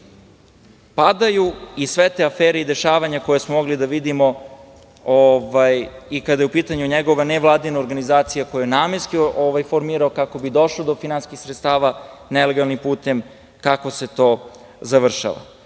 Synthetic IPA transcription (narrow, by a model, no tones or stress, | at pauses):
pad̪ajuisʋet̪e̞afeːɾeid̪e̞ʃaːʋaɲako̞jesmomo̞ɡlid̪aʋid̪imo̞ | oʋajikad̪ajeupiːt̪aɲuɲeɡo̞ʋaneʋlˠaːd̪inaoɾɡanizaːt̪sijako̞jajenaːmeɾskioʋajfoɾmiːɾaokako̞bid̪o̞ʃlˠod̪o̞finanskixsɾet̪st̪aːʋanele̞ɡalˠnimpuːt̪e̞m | kako̞se̞t̪o̞ː | zaʋr̩ʃa̰ʋa̰